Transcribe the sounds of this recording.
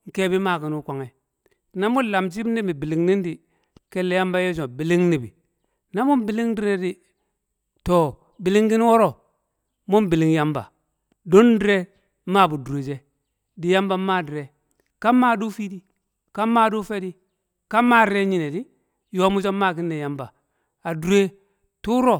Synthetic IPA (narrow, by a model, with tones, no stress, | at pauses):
ŋ̩˨ke˦bi˦ma˦˨ki˨nu˦kʷa˨ŋe˨ | na˦mu˦la˨mt͡ʃ̬i˦bni˦bi˨bi˨li˨ŋni˦ndi˨ | ke˦lːe˦ja˦mba˦je˦d͡ʒ̬o˨bi˨li˦ŋni˨bḭ˨ | na˦mu˦mbi˨li˦ŋdi˦ɾe˦di˦ | to˨ | bi˨li˦ŋɡi˦n˦wo˦ɾo˨ | mu˦mbi˨li˦ŋja˦mba̰˨ | do˦ndi˦ɾe˦ | ma˦˨bu˨du˨e˨d͡ʒe˦ | di˨ja˦mba˦ma˦˨di˨ɾe˨ | ka˦mːa˦˨du˦fi˦di˦ | ka˦mːa˦˨du˦fe˦di˦ | ka˦ma˦de˦ɲi˨ne˨di˦ | jo˦mu˦t͡ʃo˦ma˦˨k̬i˦nːe˨ja˦mba˨ | a˨du˨e˦ | tu˦ɾo˦